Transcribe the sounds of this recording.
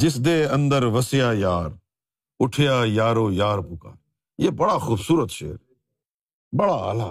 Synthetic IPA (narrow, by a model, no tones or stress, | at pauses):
d͡ʒɪsd̪eːə̃nd̪əɾʋəsɪjaːjaːɾ | ʊʈʰɪjaːjaːɾoːjaːɾpʊka̰ː | jeːbəɽaːxuːbsuːɾət̪ʃḛːɾ | bəɽaːə̰la̰ː